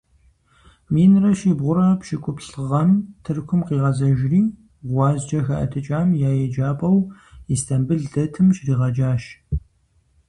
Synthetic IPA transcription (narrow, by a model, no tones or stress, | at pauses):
miːnrɐʃiːbʁʷʊɾɐpʃɪkʷʼʊpɬɨʁɐmtʰɨrkʷʰʊmqiːʁɐzɐʒriː | ʁʷɑːzd͡ʒɐxɐ̰ʔɐ̰tʰɨt͡ʃʼaːmjaːjɛd͡ʒaːpʼɐwistʰɐmbɨɮɮɐtʰɨmʃriːʁɐd͡ʒaːʃ